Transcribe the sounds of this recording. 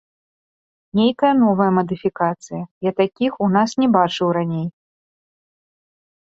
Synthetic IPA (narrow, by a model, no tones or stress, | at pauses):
nʲejkɐjɐnɔvɐjɐmɐd̪ɨfʲikat̪sɨjɐjat̪akʲixun̪asnʲɛbat͡ʂɨwɾanʲej